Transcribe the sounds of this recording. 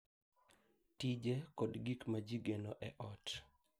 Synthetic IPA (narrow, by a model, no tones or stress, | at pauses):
tid͡ʒekɔdɡikmad͡ʒiɡenoʔɛʔɔt